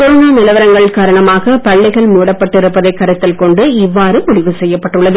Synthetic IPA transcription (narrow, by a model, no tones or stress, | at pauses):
ɔɾoːnaːnɪlɐʋɐɾɐŋɡɐɭkaːɾɐɳɐmaːɣɐpɐɭːɐɪɣɐɭmuːɽɐpːɐʈːɪɾɯpːɐðɐɪkːɐɾɯt̪ːɪlkɔɳɖɯɪʋːaːɾɯmʊðɪʋɯsɛjːɐpːɐʈːɯɭːɐðɯ